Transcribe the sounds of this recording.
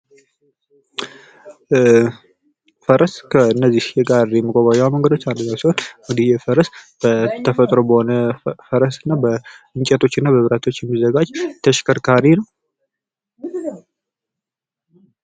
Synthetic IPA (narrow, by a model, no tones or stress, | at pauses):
fəɾəskʰəɨnːəzːihjɛɡaɾjɛməɡʼoβajawməŋɡəd̪o̞t͡ʃːalːəɲːawsiho̞nŋd̪ijɛfəɾəsb̥ət̪ʰəfət̪ʼɾo̞bəho̞nəfəɾəsɨnːabəɨɲt͡ʃʼɛt̪ʰo̞t͡ʃːɨnːabəβɨɾat̪ʰo̞t͡ʃːjɛmːizəɡad͡ʒt̪ʰəʃkʰəɾkʰaɾinəw